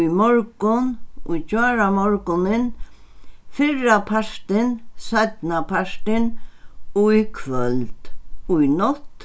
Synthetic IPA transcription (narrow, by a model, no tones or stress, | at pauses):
ujmɔɾkʊnʊjt͡ʃaːɾamɔɹkʊnɪn | fɪɾapʰaʂt̪ɪnsat̪napʰaʂt̪ɪnʊikʰʋœlt̪ʊjnɔt̪